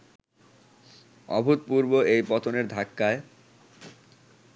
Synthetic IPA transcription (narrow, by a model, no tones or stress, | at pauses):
ɔ̰bʱut̪̚puɾboejpɔt̪ʰoneɾd̪ʱakːae